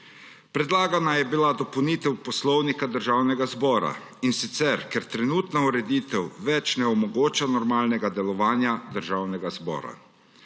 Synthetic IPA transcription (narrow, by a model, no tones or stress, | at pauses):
pɾɛd̪laːɡanajɛbilad̪ɔpɐwniːt̪ɛwpɔslɔwnikad̪əɾʒaːwnɛɡazbɔːɾa̰ | insit̪sɛɾkɛɾt̪ɾɛnuːt̪nauɾɛd̪iːt̪ɛwʋɛt͡ʃnɛɔmɔɡoːt͡ʃanɔɾmaːlnɛɡad̪ɛlɔʋaːnjad̪əɾʒaːwnɛɡazbɔ̰ːɾa̰